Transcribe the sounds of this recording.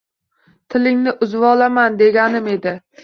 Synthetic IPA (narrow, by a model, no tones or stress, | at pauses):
t̪ʰɪlɪŋnɪʔʊzvɒlamand̪e̞ɡʲanɪme̞d̪ɪ